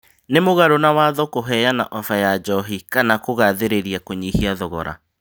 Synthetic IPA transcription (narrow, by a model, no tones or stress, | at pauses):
nemoɣaɾonawaːðɔkoɦɛjana̰ʔɔfajad͡ʒɔɦikanakoɣaðeɾeɾiakoɲihiaðɔɣɔ̰ɾa̰